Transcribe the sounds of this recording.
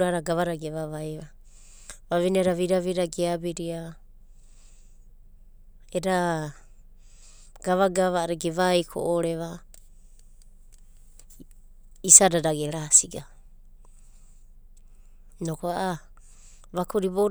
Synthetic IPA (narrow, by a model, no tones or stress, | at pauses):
ɾaɾaɡaβaɾaɡeβaβajβa | βaβinieɾaβiɾaβiɾaɡeabiɾia | eɾa | ɡ̥aβaɡaβaɾeɡeβajkʰo̰ʔoɾe̞βa | isadadaɡeɾasiɡa | nokoaʔa | βakuɾiboɾ